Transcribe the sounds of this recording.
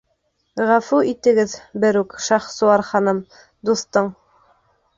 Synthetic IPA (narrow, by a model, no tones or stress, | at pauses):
ʁæfuit̪ɘ̆ɡɘðbɘɾʉkʃɑχsuɑɾχɑnɤm | d̪uθt̪ɤɴ